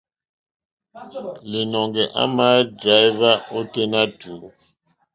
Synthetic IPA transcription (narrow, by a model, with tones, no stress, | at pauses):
li˨nɔ˨ŋɡɛ˨ʔa̰˦ma˦dra˨˦i˦va˦ɔ˦tɛ˦na˦d̥ʱu˨